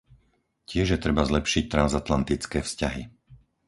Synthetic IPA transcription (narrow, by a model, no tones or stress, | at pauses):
cɪɛʒjɛt̪ɾɛbazlɛpʃic̚t̪ɾanzat̪lant̪it͡skɛːfscaɦi